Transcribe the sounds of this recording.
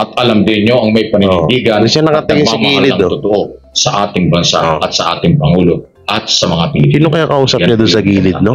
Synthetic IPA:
ʔɐt̪̚ɐlamd̪ɪnɲoɐŋmɐjpɐŋɪbiːɡɐnɪʃɐnɐkɐt̪ɪɡɪsɐɡiːlɪɐŋot̪ʊt̪oʔo | sɐʔaːt̪ɪŋbɐnsa̰ʔɐt̪̚sɐʔa̰ːt̪ɪŋpɐŋuːlo | ʔɐt̪sɐmɐŋapɪnɪsiːnokɐjokɐʔuːsɐpɲɐd̪ʊnsɐɡiːlɪd̪̚no

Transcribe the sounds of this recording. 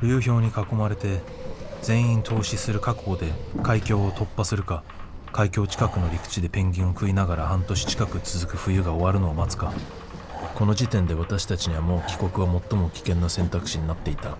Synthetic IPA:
ɾʲɨ̟ːço̞ːɲ̟ikako̞maɾe̞t̪e̞ | d͡zẽ̞ɰ̃ĩnt̪ʰo̞ːɕisɨɾɯ̟kakod̪e̞kʰaikʲo̞ːt̪o̞pːasɨɾɯ̟ka | kaikʲo̞ːt͡ɕi̥kakɯ̟no̞ɾʲikɯ̥t͡ɕid̪e̞pẽ̞ŋɡʲĩɰ̃o̞kɯ̟inaɡaɾahãnt̪o̞ɕi̥t͡ɕi̥kakɯ̟t͡sɨzɨkɯ̟ɸɯ̟jɯ̟ɡao̞βaɾɯ̟no̞amat͡sɨ̥ka | ko̞no̞d͡ʑit̪ẽ̞nd̪e̞βat̪aɕi̥t̪at͡ɕiɲ̟iβamo̞ːkʲi̥ko̞kɯ̟βamo̞t̪ːo̞mokʲi̥kẽ̞nːosẽ̞nt̪akɯ̟̥ɕiɲ̟inat̪ːe̞it̪a

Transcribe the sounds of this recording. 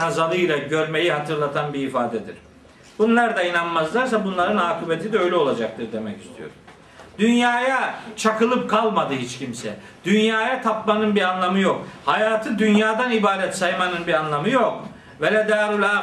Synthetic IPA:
azalˠɯjlʲˠaɟø̞ɾme̞jiɦat̪ʰɯɾlˠat̪ʰanbiːfaːd̪ɛd̪ḭɾ̥ | bunlˠaɾd̪ainanmazlˠaɾs̬abunlˠaɾɯnaːkʰibet̪ʰid̪ɛø̞jlʲɛo̞lˠad͡ʒak̚t̪ʰɯɾd̪e̞mɛci̥st̪ʰijo̞̰ɾ | d̪ynjaːjat͡ʃʰakɯlˠɯp̚kʰalˠmad̪ɯɦit͡ʃcimsɛ | d̪̥ynjaːjat̪ʰapmanɯnbianlˠamɯjo̞khajaːt̪ʰɯd̪ynjaːd̪anibaːɾɛt̪sajmanɯnbiɾanlˠamɯjok̚ | velʲɛd̪aɾulʲa

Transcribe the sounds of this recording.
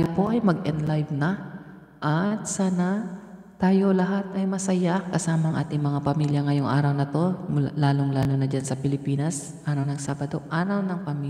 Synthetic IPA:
jopo̞ʔɐjmɐɡʔɛnlajvnɐ | ʔɐt̪̚saːna | t̪aːjo̞lɐɦat̪̚ɐjmɐsɐjakɐsaːmɐɐŋʔa̰ːt̪ɪŋmɐŋapɐmiːljɐŋɐjoŋʔa̰ːɾɐwnɐt̪o̞mlaːloŋlaːlonɐd͡ʒansɐpɪlɪpiːnɐs | ʔaːɾɐwnɐŋsaːbɐd̪o̞ʔaːɾɐwnɐŋpɐmi

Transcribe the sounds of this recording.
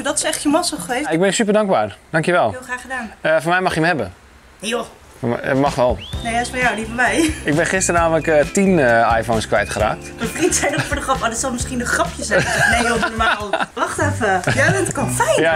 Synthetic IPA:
dɔtɪ̥sɛxtjəmɔsəxəʋeɪɡ̚bɪnsypərdaŋɡ̚baːrd̥aŋkjəʋɛlˠlˠxraːxədaːnəfɔnmɛjmaxjəmhɛbə | jo | fɔm̰maxʋɛlˠnejaɪsfɔjawdifəbɛjɪk̚bɛnχɪstərnaːmələkətinəajfownskʋɛjtχəɾa̰ːk̚tməfrintsɛjdəfoːɹdəxrɑpadɔsɔlˠmɪskindəxrɑpʰjəsɛnejˠnɔmaːlˠʋɑxtɛfəjaətkɔnja

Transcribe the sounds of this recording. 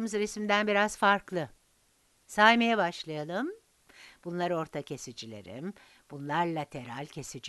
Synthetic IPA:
mɯzɾesid̪ænbiɾaz̥faɾklˠɯ | sajʲmejabaʃlˠajalˠɯm | b̥unlˠaɾo̞ɾt̪ʰacʰe̞sid͡ʒilʲe̞̰ɾḭm | b̥unlˠaɾlʲˠat̪ʰe̞ɾalʲcʰe̞sid͡ʒ

